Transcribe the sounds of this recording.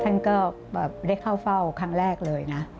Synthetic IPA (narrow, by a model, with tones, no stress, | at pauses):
t̪ʰa˥˩nkɔː˥˩ | bɛː˨˩p̚da˥˩jkʰa˥˩wfa˥˩wkʰa˦˥ŋɾɛː˥˩k̚lɤː˧jna˦˥